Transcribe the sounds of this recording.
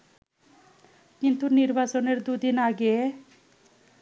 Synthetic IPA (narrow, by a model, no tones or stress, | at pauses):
kint̪uniɾbʱasɔneɾd̪ud̪inaɡe